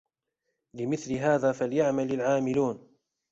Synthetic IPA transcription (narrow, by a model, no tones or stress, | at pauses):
lɪmɪθlɪɦaːðaːfaljaʕmalalʕaːmɪluːn